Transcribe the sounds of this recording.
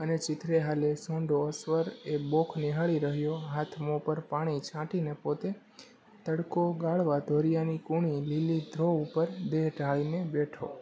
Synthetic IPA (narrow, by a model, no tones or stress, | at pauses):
ənet͡ʃɪt̪ɾeɦalesõɳɖoəsʋəɾebokʰneɦaɭiɾəɦjoɦat̪ʰmopəɾpaɽ̃it͡ʃʰãʈinepot̪e | t̪əɽkoɡaɭʋad̪ʱoɾijanikuɳ̃ililid̪ʱɾoupəɾd̪eɦɖʱaɭinebeʈʰo̰